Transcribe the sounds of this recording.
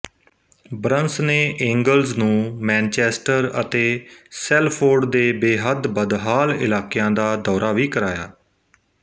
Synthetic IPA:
bɾənsneːʔɛ̃ːŋɡəlznũːmɛ̃ːnt͡ʃɛːsʈəɾə̰t̪eːsɛːlpʰoːɾɖd̪eːbeːɦəd̪bəd̪ɦaːlɪ̰laːkɪjãːd̪aːd̪ɔːɾʔaːʋiːkəɾaːja̰ː

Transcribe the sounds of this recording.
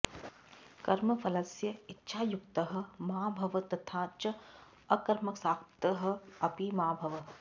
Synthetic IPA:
kɐɾmɐfʰɐlɐsjɐitːʃʰaːjukt̪ɐɦɐ̆maːbʱɐʋɐt̪ɐt̪ʰãːt͡ʃɐ | ɐkɐɾmɐksaːk̚t̪ɐɦɐ̆ɐpimaːbʱɐʋɐ

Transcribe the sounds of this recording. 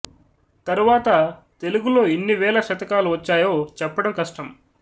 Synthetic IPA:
t̪ɐɾuʋaːt̪ɐ | t̪e̞luɡulo̞ːenːiʋɛːlɐʃɐt̪ɐkaːluʋɐt͡ʃːaːjo̞ːt͡ʃɛpːɐɽɐmkɐʂʈɐm

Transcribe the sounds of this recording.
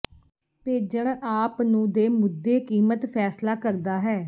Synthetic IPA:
peːd͡ʒəɽaːpnũːd̪eːmʊd̪ːeːkiːmət̪pʰɛːslaːkəɾd̪aːɦɛː

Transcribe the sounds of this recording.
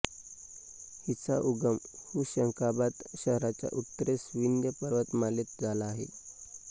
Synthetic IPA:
hit͡saʔuɡəmhuːɕəŋkabat̪ɕəɦɾat͡ɕja̰ʔut̪ːəɾesʋind̪jəpəɾʋət̪malet̪̚d͡zʱalaːɦḛ

